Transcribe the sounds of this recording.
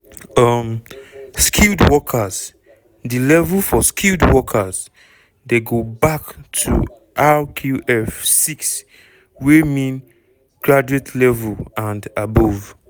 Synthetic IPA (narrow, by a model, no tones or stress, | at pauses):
ʌmskʰildwɔkʰəz | dilɛvulfɔskʰildwɔkʰəz | deɡobaktʰṵ | ʔalkʰuʔɛfsiks | wemĩn | ɡ̥ɹad͡ʒuetʰlɛvulãndabov